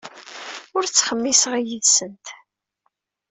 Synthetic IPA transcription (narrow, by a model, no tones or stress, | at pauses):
ʊɾt͡sːχəmːisʁijiðsənt̪